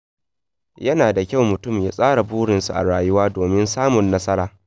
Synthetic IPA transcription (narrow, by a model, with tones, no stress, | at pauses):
jɐ˦naː˨da˨kʲa˦wmʊ˨tʊ˦˨mjaː˦sʼaː˦ɽa˨buː˦ɽɪ˨nsṵ˨ʔa̰˨ɽaː˨jʊ˦waː˦doː˨mɪ˦nsaː˦mʊ˨nːɐ˦sɐ˦ɾaː˨